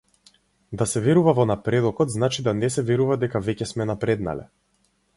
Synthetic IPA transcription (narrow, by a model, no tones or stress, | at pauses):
d̪asɛvɛɾuvavɔnapɾɛd̪ɔkɔt̪znat͡ʃid̪anɛsɛvɛɾuvad̪ɛkavɛcɛsmɛnapɾɛd̪na̰lɛ̰